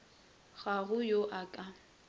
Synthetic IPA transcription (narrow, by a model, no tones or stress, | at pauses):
ɣ̥aɣʊjoʔakʼa